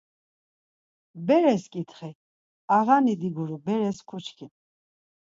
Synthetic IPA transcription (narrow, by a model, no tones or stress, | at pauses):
bɛɾɛskʼit̪ʰχi | aʁanid̪iɡuɾubɛɾɛskʰut͡ʃʰkʰin